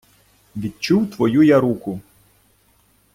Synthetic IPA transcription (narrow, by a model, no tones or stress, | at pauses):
ʋʲid̪̚t͡ʃuwt̪ʋɔjujaɾukʊ